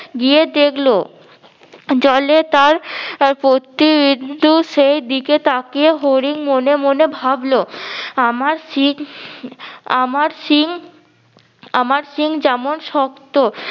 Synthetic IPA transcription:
ɡied̪ekʰlo | d͡ʑɔlet̪aɾpɾot̪ibid̪ʱːuʃejd̪iket̪akeɦoɾiŋmonemonebʱabloamaɾsi | amaɾʃiŋ | amaɾsiŋd͡ʑɛmonʃɔkt̪o

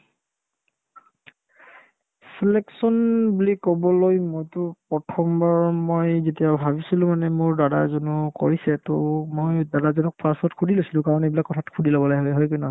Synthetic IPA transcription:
sileksɔnbulikɔbɔlojmojtʊpɹɔtʰɔmbaɹmojzetijabʱabisilʊ̃manɛmʊɹdadazɔnuko̰ɹisɛtomojdadazɔnɔk̚pʰasɔtkʰudʱilojsilʊ̃kaɹɔnebilakːɔtʰatkʰudilɔbɔlajɦɔjɦɔjkunɔ

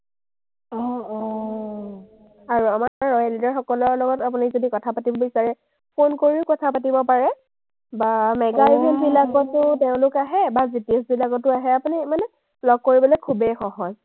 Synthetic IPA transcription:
ɔɔ | aɹuamaɹɔjalitaɹxɔkɔlɔlɔɡɔtapunizodikɔtʰapatibɔbisaɹɛ | pʰonkoɹiʊkɔtʰapatibɔpaɹɛ | bamɛɡaizinbilaɡɔtʊteʊ̃lʊkaɦɛbazitiɔsbilakɔtːʊaɦɛapunimanɛ | lɔɡ̚kːoɹibɔlɔjkʰubɛxɔɦɔz

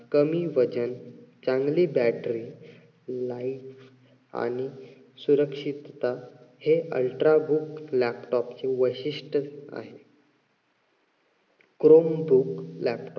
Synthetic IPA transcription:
kəmiːʋəd͡ʑənt͡sãŋɡliːbæʈɾi | laif | a̰ɽ̃i | suɾəkʂit̪ːaheʔə̰lʈɾabʱuklæpʈɔpt͡seʋəɕiʂʈəa̰ɦe | kɾombʱuklæpʈɔ

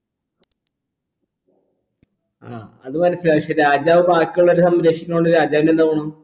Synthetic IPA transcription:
a̰ːɐðɨmɐnɐsːilɐikʂeɾaːd͡ʑaːʋɨbaːkːuɭːoɾusɐmɾeʂikʲːɐloɳɖɨɾaːd͡ʑaːʋinend̪aːʋɐɳɐm

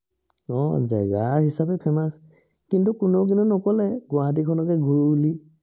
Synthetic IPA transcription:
ɔ̰zɛ̰ɡaɦisapɛpʰɛmas | kintukunok̬inunɔkɔlɛɡʊaɦat̬ikʰɔnɔkɛɡuɹuli

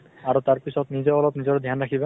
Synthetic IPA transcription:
aɹutaɹpisɔtnizɔɔlɔpnizɔɹd̪ʱjanɹakʰiba

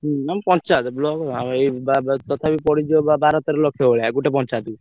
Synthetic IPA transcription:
ɦampɔnt͡ʃat̪blɔɡamejbat̪ɔt̪ʰabipɔɽid͡ʒobabʱaɾat̪eɾlɔkʰːjɔɦoɭeɡuʈepɔnt͡ʃat̪

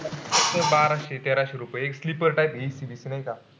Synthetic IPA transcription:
əsəbaɾaɕet̪eɾaɕeɾupəjekslipəɾʈaipesibisinajka

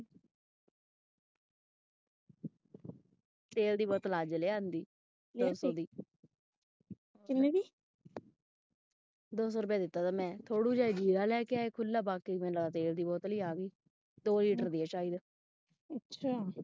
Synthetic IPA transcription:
t̪eːld̪iːbɔːt̪laːd͡ʒəleːaːnd̪iː | d̪oːsɔːd̪iː | kɪnẽːdiː | d̪oːs̬ɔːɾʊpjaːd̪ɪt̪ːaːt̪aːmɛ̃ːt̪ʰoːɽuːd͡ʒaːed͡ʒiːɾaːlɛːkeaːeːkʰʊlːaːbaːkiːmẽːaaːt̪eːld̪iːbɔːt̪liːaːɡiː | d̪oːliːʈəɾd̪iːɛːt͡ʃaːiːd̪ | ətːʃʰaː

